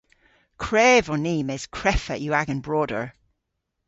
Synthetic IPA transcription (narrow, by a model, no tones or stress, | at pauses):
kʰɹ̥ɛːvɔniːmɛskʰɹ̥ɛfə̰ʔjəaɡənbɹɔːdə̰ɹ